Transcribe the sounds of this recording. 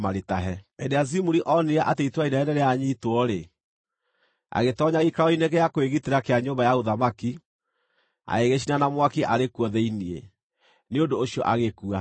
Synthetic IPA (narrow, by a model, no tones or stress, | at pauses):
maɾetaɦɛendeazimuɾiʔɔneaʔateitwainaɛnɛɾeaɲitwɔɾe | a̰ɣetɔɲaɣikaɔineɣeakoeɣiteɾakeaɲoːmbajaoðamaki | a̰eɣeɕinanamwakiʔaɾekwɔðɛiniḛ | neondoːɕiɔʔaɣekua